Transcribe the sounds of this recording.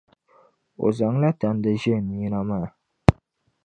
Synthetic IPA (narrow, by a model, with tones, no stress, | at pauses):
o̰˨za˨ŋ˦la˦ta˨n˦dɨ˦ʒɛ˦˨nɨ˨ɲi˦na˦maː˦˨